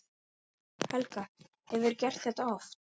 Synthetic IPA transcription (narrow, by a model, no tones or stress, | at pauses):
hɛlka | hɛvʏɾcɛr̥t̪θɛht̪aɔft